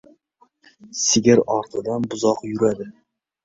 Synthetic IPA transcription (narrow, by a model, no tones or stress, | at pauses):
sɪɡʲɪɾɑɾt̪ʰɨd̪ɑnbʊzɑqjuɾæd̪ɪ